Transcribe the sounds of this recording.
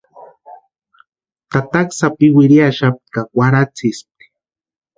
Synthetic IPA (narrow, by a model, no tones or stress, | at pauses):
t̪at̪aksapɪwɪɾiaʃap̚kawaɾat͡sɪsp̚i̥